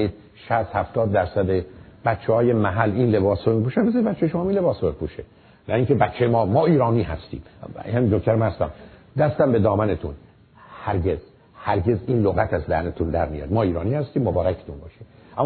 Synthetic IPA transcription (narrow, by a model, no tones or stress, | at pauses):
iːd̪̚ | ʃæst̪hæft̪ɒːd̪̚ːæɾsæd̪eb̥æt̪t͡ʃʰehɒːjemæɦælːinle̞bɒːsomipuːʃænbezɒnibæt̪t͡ʃːejeʃomɒːminle̞bɒːsomepʰuʃe | nʔæiŋce̞bæt̪t͡ʃʰːejemɒːmɒːiːɾɒːniːɦæ̰st̪ḭːmhæmind̪okʰt̪æɾmænhæst̪æ̰md̪æst̪æmbe̞d̪ɒːmænet̪ʰṵn | hæɾɟe̞z̥ | hæɾɟe̞ziːnloɣæt̪ʰæzd̪æ̰hnet̪ʰund̪æɾmijɒ̰d̪mɒːiːɾɒːniːhæst̪iːmːobɒːɾækʰe̥t̪ʰunbɒːʃeʔæmː